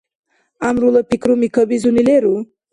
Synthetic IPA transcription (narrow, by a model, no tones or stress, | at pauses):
amɾuləpikɾumikʰəbizunileɾu